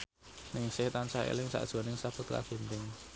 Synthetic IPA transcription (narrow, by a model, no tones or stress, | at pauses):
nɪŋsɪht̪ansaḛlɪŋsa̰ʔd̥ʒ̥ɔ̤nɪŋsapʊt̪̚ka̰fe̤nt̪ɪŋ